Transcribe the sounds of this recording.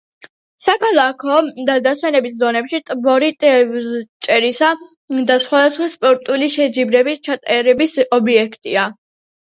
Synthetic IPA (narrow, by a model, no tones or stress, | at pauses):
sakʰalˠakʰɔd̪ad̪aswɛnɛbisd̪ɔnɛpʃit̪ʼbɔɾit̪ʼ | t͡ʃʼɛɾisa | d̪asχwad̪asχwaspʼɔɾt̪ʼuliʃɛd͡ʒibɾɛbist͡ʃʰat̪ʼɛɾɛbisɔbiɛkʰt̪ʼia